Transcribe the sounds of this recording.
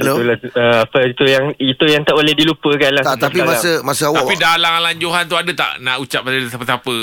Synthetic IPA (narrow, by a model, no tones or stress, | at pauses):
loulaəapəit̪ujaŋit̪ujaŋt̪aʔbolɛhdilupəkalaaspimaəmasəawt̪apidalaŋalaɲd͡ʒoɦant̪uadət̪a̰ʔnaʔut͡ʃap̚asəpət̪apə